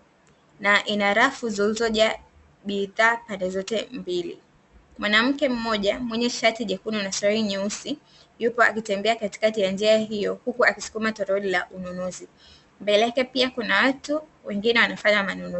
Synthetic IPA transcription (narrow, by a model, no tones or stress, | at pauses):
naʔinaɾafuzilizɔʄa | ɓiðaːpandɛzɔtɛmbilḭ | mwanam̩kɛm̩mɔʄamwɛɲɛʃatiʄɛkununasahiɲɛusi | jupɔa̰kitɛmbɛakati̥katijand͡ʒiaɦijɔhukuakisu̥kumatɔɾɔɔlila̰ʔununuzi | mbɛlɛkɛpiakunawatu | wɛŋɡinɛwanafaɲamanunu